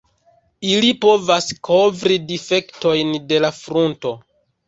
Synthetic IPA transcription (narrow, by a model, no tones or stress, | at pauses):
ilipo̞vaskʰo̞vɾidife̞kto̞jnde̞lafɾunto̞